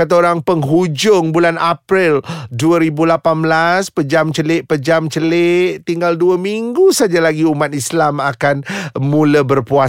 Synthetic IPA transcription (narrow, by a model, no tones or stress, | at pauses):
kat̪̬aoɾaŋpəŋɦud͡ʒʊŋbulanapɾɪlduəɾibulapanblaspəd͡ʒamt͡ʃəlɪʔpəd͡ʒamt͡ʃəleʔt̪iŋɡalduəmiŋɡusad͡ʒalaɡiumat̪islamakanmũləbərpua